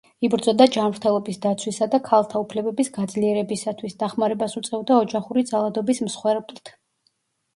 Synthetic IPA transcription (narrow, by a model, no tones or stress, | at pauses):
ibɾd̪zɔd̪ad͡ʒamvɾt̪ʰɛlˠɔbisd̪at̪sʰwisad̪akʰalˠt̪ʰaupʰlɛbɛbisɡad̪zliɛɾɛbisat̪ʰwisd̪aχmaɾɛbasut̪sʼɛvd̪aɔd͡ʒaχuɾid̪zalˠad̪ɔbismsχwɛɾblˠt̪ʰ